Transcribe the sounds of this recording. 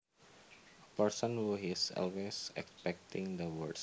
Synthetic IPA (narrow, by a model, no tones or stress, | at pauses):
əpərsɔ̃nwuɦisɔ̰lwesɛ̰kspɛk̚t̪ɪ̃ŋd̪əwəɹds